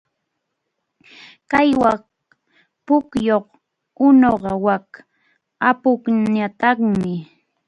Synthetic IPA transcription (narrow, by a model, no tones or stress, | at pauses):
kajwa | pʊkjoχ | ʊnoɢɑwak | apʊkɲat̪ɑχmɪ